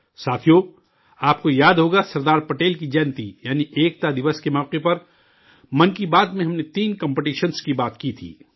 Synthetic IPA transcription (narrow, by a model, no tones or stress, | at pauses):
saːt̪ʰijo | aːp̚kojaːd̪ɦoːɡasɐɾd̪aːɾpɐʈeːlkid͡ʒɛːnt̪ijaːniʔeːk̚t̪ad̪ɪʋəskemɔːqepɐɾ | mɐ̃nkibaːd̪mẽɦɐmnet̪iːnkɐ̃mpɪʈiːʃənskibaːt̪kit̪ʰḭː